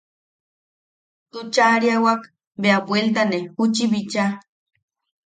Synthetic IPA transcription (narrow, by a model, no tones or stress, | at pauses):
t̪ut͡ʃaɾiawak | beabwʷelt̪̬anehut͡ʃiβit͡ʃa